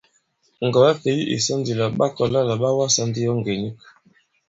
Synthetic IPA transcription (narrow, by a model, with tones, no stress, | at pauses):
ŋ̩˨ɡɔ˨a˦fe˨ji˦ʔḭ˨sa˦ndi˨la˨ɓa˦kɔ˨la˦la˨ɓa˦wa˦sa˦ndi˦jɔ˦ŋ˨ɡe˨ni˦k